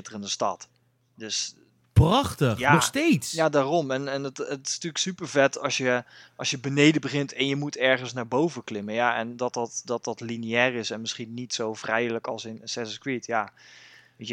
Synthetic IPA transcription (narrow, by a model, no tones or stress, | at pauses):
ɪtərəndəstɑ̰t | døs | prɑχtəxjaɔxstejtsjadaːrɔmɛnɛntətɪ̥styːəksypəɹvɛtɑsjəʔɑlsjəbənejdəbəχɪntʰɛnjəmutɛɹχənsnaːɹbowvəklɪmənjaʔɛndɔtɑtdɔt̚dɑtliniɛːrɪsɛnmɪsχinːitsowvrɛjləkɑlˠsɪnsɛsəskɹitja | ʋejə